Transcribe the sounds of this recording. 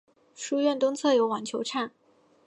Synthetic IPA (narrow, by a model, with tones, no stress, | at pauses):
ʂu˥ɥɛ˥˩nt̪ʊ˥ŋt͡sʰɤ˥˩jo˧˥ʊwa˨˥nt͡ɕʰjo˧˥ʊʈ͡ʂʰa˥˩n